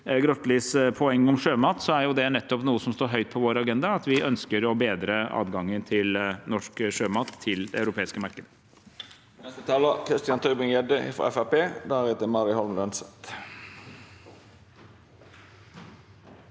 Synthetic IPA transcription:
ɡɾɔt̪liːspʰɔɛŋːɔmʂøːmɑːt̪sɔæɾjʊd̪ɛnɛt̪ːɔpnuːəsɔmst̪oːɾɦœʏt̪̚pʰɔʋoːɾɑɡɛnd̪ɑɑt̪ʋɪʔœnskəɾɔbeːd̪ɾəɑ̰ːd̪ɡɑŋːənt̪ʰɪlnɔʂkʂøːmɑːt̪ʰːɪld̪ɛɑʉɾʊpʰeːɪskəmɑɾkəd̪ə | nɛst̪ət̪ʰɑːləkʰɾɪst̪ɪɑnt̪ʰʉːbɪŋjɛd̪əɪ̰fɾɑ̰ɛfæpeːd̪æɾɛt̪əmɑɾɪhɔlmlœnsət̪

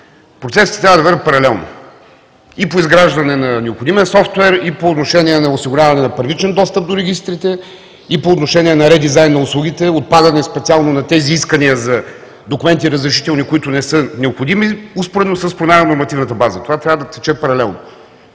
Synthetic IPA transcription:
pɾot̪sɛsit̪ɛt̪ɾavəd̪ɐvɛɾʲət̪pɐɾɐlɛlˠno̰ | ipoizɡɾaʒd̪ɐnɛnɐnɛopxod̪imiəsɔft̪wɛɾipoːt̪noʃɛniɛnɐosiɡʊɾʲavɐnɛnɐpəɾvit͡ʃɛnd̪ɔst̪əp̚d̪oɾɛɡ̟ʲist̪ɾit̪ɛ | ipoːt̪noʃɛniɛnɐɾɛd̪izajnːɐʊslˠuɡ̟it̪ɛot̪̚pad̪ɐnɛspɛt̪sialˠnonɐt̪ɛziiskəniəzɐ | d̪okumɛnt̪iɾəzɾɛʃi̥t̪ɛlˠnikoit̪ʊnɛsɤnɛopxod̪imiʊspoɾɛd̪osəspɾomʲaɾnoɾmɐt̪ivnət̪əbazət̪ovat̪ɾavəd̪ɐt̪ɛt͡ʃɛpɐɾɐlɛlˠno̰

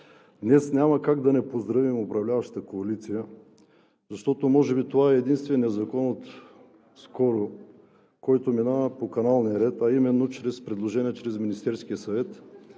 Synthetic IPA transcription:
d̪nɛsnʲamɐkaɡd̪ɐnɛpozd̪ɾɐvimopɾɐvlʲavɐʃt̪t̪əkoɐlit̪sijə | zɐʃt̪ɔt̪omɔʒɛbit̪ovaɛːd̪inst̪vɛnɛzɐkɔnot̪ | skɔɾo | kɔjt̪ominavəpokɐnalˠnijəɾɛt̪ɐimɛnːot͡ʃɾɛspɾɛd̪lˠoʒɛniɛt͡ʃɾɛzminist̪ɛɾsk̟ijəsɐvɛt̪

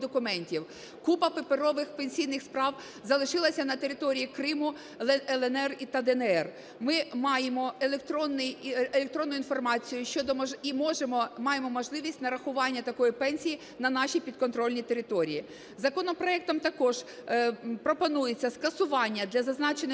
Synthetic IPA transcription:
d̪ɔkʊmɛnʲtʲiw | kupɐpepeɾɔʋɪxpenʲsʲijnɪxspɾɑw | zɐlˠɪʃɪlˠɐsʲɐnɐt̪eɾɪt̪ɔɾʲijikɾɪmʊ | ɛlˠɛnɛrit̪ɐd̪ɛnɛɛr | mɪmɑjemɔelekt̪ɾɔnːɪjelʲek̚t̪ɾɔnːʊinfɔrmɑt͡sʲijʊʃt͡ʃɔd̪ɔmimɔʒemɔmɑjemɔmɔʒlˠɪʋʲisʲtʲnɐɾɐxʊʋɑnʲːɐt̪ɐkɔjipɛnʲsʲiji | nɐnɑʃipʲid̪kɔnt̪ɾɔlʲnʲit̪e̞ɾɪt̪ɔɾʲḭji | zɐkɔnɔpɾɔɛk̚t̪ɔmt̪ɐkɔʒ | pɾɔpɔnujet͡sʲːɐskɐsʊʋɑnʲːɐd̪lʲɐzɐznɑt͡ʃen

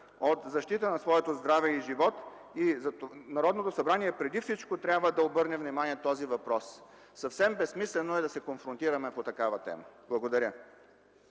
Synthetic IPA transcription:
ot̪zɐʃt̪it̪ənɐsvɔɛt̪ozd̪ɾavɛiʒivɔt̪ | izɐt̪nɐɾɔd̪not̪osɐbɾaniɛpɾɛd̪ifsit͡ʃkot̪ɾʲabvəd̪ɐobɤɾnɛvnimaniɛt̪ɔzivɐpɾɔs | sɐfsɛmbɛsmislɛnoɛd̪ɐsɛkonfɾont̪iɾɐmɛpot̪ɐkavɐt̪ɛ̰məb̥lˠɐɡod̪ɐɾʲjə

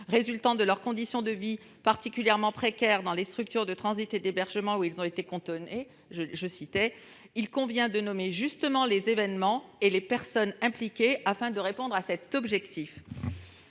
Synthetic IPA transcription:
ʁezylt̪ɑ̃d̪əlœʁkɔ̃d̪isjɔ̃d̪əvi | paʁt̪ikʲyljɛʁmɑ̃pχekʲɛʁd̪ɑ̃lest̪χyk̚t̪yʁd̪ət̪χɑ̃zit̪ed̪ebɛʁʒəmɑ̃uilzɔ̃et̪ekɔ̃t̪ɔne | ʒəʒəsit̪ɛ | ilkɔ̃vjɛ̃d̪ənɔmeʒyst̪əmɑ̃lezevɛnmɑ̃elepɛʁsɔnɛ̃plikʲeafɛ̃d̪əʁepɔ̃d̪ʁasɛt̪ɔbʒɛkt̪if

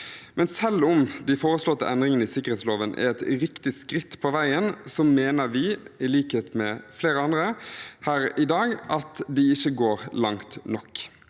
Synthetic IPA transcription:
mʔɛnsɛlːʊmd̪æɪfoːʁəslɔt̪ːə̰ʔɛnd̪ɾɪŋənəɪsɪkəeːt̪sloːʋənʔæ̰ɾɛt̪ɾɪkt̪ɪskɾɪt̪ːpʰɔʋæɪənsɔmeːnəɾʋɪɪliːkəheːt̪mɛfleːɾəɑnd̪ɾəhæːɾɪd̪ɑːɡʔɑt̪d̪ɪɪçːəɡoːʁlɑŋt̪nɔkː

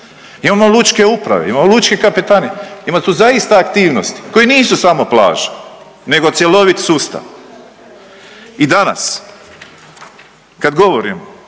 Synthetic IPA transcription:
imaːmolˠut͡ʃke̞upɾa̰ʋeimamolut͡ʃke̞kapit̪aːneimasuzaist̪aːkt̪iːʋnost̪i̥ko̞jeniːsusamo̞pla̰ːʒe | ne̞ɡo̞t̪sjelo̞ʋit̪sust̪a̰ʋ | id̪ana̰s | kad̪ɡo̞ʋoɾḭmo

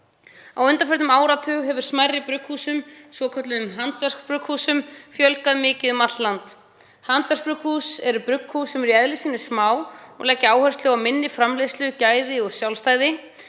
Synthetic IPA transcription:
a̰wʏnt̪afɛɾt̪nʏmaːwɾat̪ʰʏːɣɦɛvʏ̥smajrːɪpɾʏkʰhusʏmsvɔkʰœt̪lʏʏmɦant̪vɛr̥kpɾʏkhusʏmfjœlkaðmɪːcɪðʏmat̪lant̪ | hant̪vɛɾrkpɾʏkhusɛɾʏpɾʏkʰhusɛmɛɾiɛðlisɪnɪ̥smaːwɔ̰ɣlɛːcːɪaːwhœrst̪lɛɣawmɪnːɪfɾamlejslɪʏcaːjðɪɔɣsjawlst̪aːjðɪ

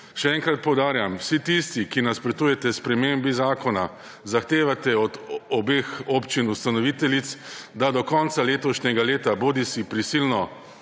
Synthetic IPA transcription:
ʃɛɛŋkɾat̪̚pɔwd̪aːɾjamwsit̪ist̪ikinaspɾɛt̪ujɛt̪ɛspɾɛmeːmbizaːkɔna | zaxt̪eːʋat̪ɛɔd̪ɔbeːxɔpt͡ʃinust̪anɔʋit̪ɛlit̪sd̪ad̪ɔkɔnt̪saleːt̪ɔʃɲɛɡaleːt̪aboːd̪isipɾisilnɔ

